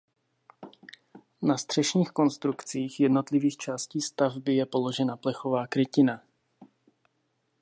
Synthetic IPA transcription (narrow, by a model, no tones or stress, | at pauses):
nast̪r̥ɛʃɲiːxko̞nst̪ɾukt͡siːxjɛdno̞t̪lɪviːxt͡ʃaːsciːst̪avbɪjɛpo̞lo̞ʒɛnaplɛxo̞vaːkɾɪcɪna